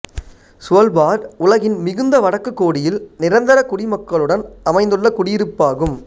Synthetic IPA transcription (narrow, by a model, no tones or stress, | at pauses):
sʊɐlbaːɾʊlɐɣɪnmɪɣɯnd̪ɐʋɐɽɐkːɯkːoːɽɪjɪlnɪɾɐnd̪ɐɾɐkʊɽɪmɐkːɐɭɯɽɐnɐmɐɪnd̪ɯɭːɐkʊɽɪjɪɾɯpːaːɣɯm